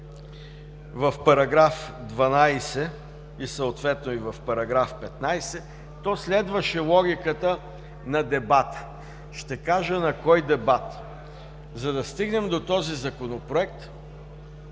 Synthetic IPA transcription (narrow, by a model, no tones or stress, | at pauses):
vɐfpɐɾɐɡɾafd̪vɐnajsɛ | isɐot̪vɛt̪̚noivɐfpɐɾɐɡɾafpɛt̪najsɛ | t̪ɔslɛd̪vəʃɛlˠɔɡʲikət̪ə | nɐd̪ɛbat̪ | ʃt̪ɛkaʒənɐkɔjd̪ɛbat̪ | zɐd̪ɐst̪iɡnɛmd̪ot̪ɔzizɐkonopɾoɛk̚t̪